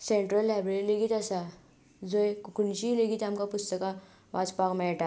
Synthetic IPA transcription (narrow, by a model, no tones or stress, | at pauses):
sẽɳʈɾəlːajbɾeɾiliɡit̪asa | d͡zojkukunɕiːliɡit̪amkapust̪əka | ʋat͡spakmɛɭʈa